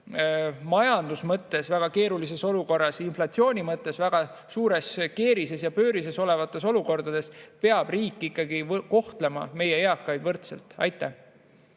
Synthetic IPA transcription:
mɑjɑnd̪̥usmɤt̪ːˑe̞svæɡ̥ɑke̞ːɾulise̞so̞luko̞rːɑsinflɑt̪sio̞ːnʲimɤt̪ːˑe̞svæɡ̥ɑ | suːɾe̞ske̞ːɾise̞sjɑpø̞ːɾise̞so̞le̞vɑt̪ːˑe̞so̞luko̞rd̪̥ɑd̪̥e̞spe̞ɑb̥riːkːˑikːˑɑɡiko̞ht̪lemɑ̰me̞jeeɑkːˑɑjd̪vɤrt̪selt̪ɑ̰jt̪ˑːæh

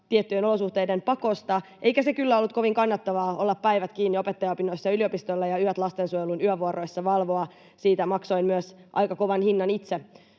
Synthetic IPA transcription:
t̪iet̪ːyjeno̞lo̞suht̪e̞jdempɑko̞st̪ɑʔeikæse̞kylːæo̞lːut̪̚ko̞ʋiŋkɑnːɑt̪ːɑʋɑːolːɑppæiʋæt̪kiːnːio̞pet̪ːɑjɑopinoisːɑyliopist̪olːɑjɑyæt̪lɑst̪e̞nsuojelunyœʋuoɾo̞jsːɑʋɑlʋo̞ɑ | siːt̪æmɑkso̞immyøsʔɑ̰jkɑko̞ʋɑnhinːɑnit̪se

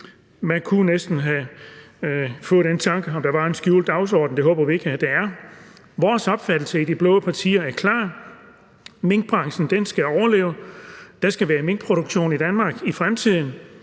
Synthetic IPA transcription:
mænkʰunesd̥n̩ɦæ | fɔ̽ːð̩ˠd̥ent͡sʰɑ̈ŋɡ̥əɒ̽md̥ɑ̈ʋɑ̈e̝nsɡ̥jṵːld̥ɑ̈ʊsɒ̰ːd̥n̩d̥e̝ɦɔ̽ːb̥ɐʋie̝ɡ̥əæd̥eæɐ | ʋɒːsɒ̽b̥fæd̥l̩səid̥ib̥lɔ̽ːðˠəpʰɑ̈t͡sʰḭːɐæɐkʰlɑ̰̈ː | me̝ŋɡ̥̚b̥ʁɑ̈ŋsn̩d̥ensɡ̥æɒʊɐle̝̰ːʊd̥ɑ̈sɡ̥æʋæːɐme̝ŋɡ̥̚pʰʁo̝ɾ̥oɡ̥ɕo̝̰ːnid̥ænmɑ̈ːɡ̥ifʁamt͡sʰið̰ˠn̩

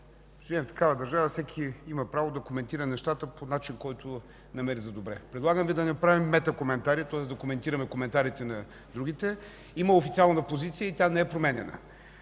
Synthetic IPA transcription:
ʒviɛ̃mft̪ɐ̥kavəd̪ɐɾʒavəfsɛkʰiimɐpɾavod̪ɐkomɛnt̪iɾənɛʃt̪at̪əponat͡ʃinkɔjt̪ʊ | nɐmɛɾizɐd̪obɾɛ̰pɾɛd̪lˠaɡəmvid̪ɐnɐpɾavimːɛt̪əkomɛnt̪aɾit̪ɔɛsd̪ɐkomɛnt̪iɾəmɛkomɛnt̪aɾit̪ɛnɐ | d̪ɾuɡit̪ɛ | iməofit̪sialˠnəpozit̪sijəit̪ʲjanɛɛpɾomɛnʲɛnə̰

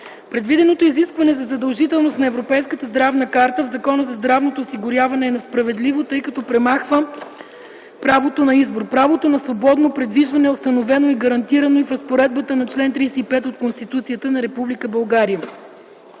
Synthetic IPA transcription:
pɾɛd̪vid̪ɛnot̪oiziskvɐnɛzɐzɐd̪ɐlˠʒit̪ɛlˠnost̪nɐɛvɾopɛjskət̪əzd̪ɾavnəkaɾt̪əvzɐkɔnəzɐzd̪ɾavnot̪oːsiɡʊɾʲjavɐnɛːnɐspɾɐvɛd̪livot̪ɤjkɐt̪ɔpɾɛmaxvə | pɾavot̪onɐizboɾpɾavot̪onɐsvobɔd̪nopɾɛd̪viʒvɐnɛost̪ɐnovɛnoiɡɐɾɐnt̪iɾɐnoifɾɐspoɾɛd̪̚bət̪ənɐt͡ʃlɛnt̪ɾijsɛipɛt̪ot̪̚konst̪it̪ut̪sijət̪ənɐɾɛpublikəbɐlˠɡaɾijə

